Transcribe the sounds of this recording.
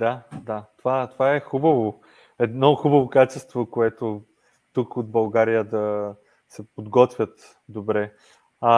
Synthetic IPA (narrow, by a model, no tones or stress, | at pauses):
d̪ad̪at̪ovat̪ovaɛxubɐvo | ɛd̪nɔxubɐvokat͡ʃɛst̪vokoɛt̪o | t̪ukod̪̚bɐlˠɡaɾijəd̪ɐ | sɛpod̪ɡɔt̪vʲjət̪ | d̪obɾɛ | a